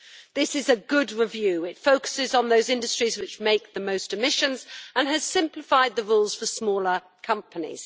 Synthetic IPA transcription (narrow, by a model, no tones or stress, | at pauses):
ðɪsɪzɨɡʊd̚ɹɪvjʉɪtfoʊkə̥sɪzn̩ðoʊzɪ̃ndɨstɹ̥izwɨt͡ʃmeɪk̚ðəmoʊstɨmɪʃə̃nz̥ə̃nɨz̥sɪ̃mplɪfaɪd̪̚ðəɹulˠz̥fəsmɔːlˠə | kʰʌ̃mpənḭz̥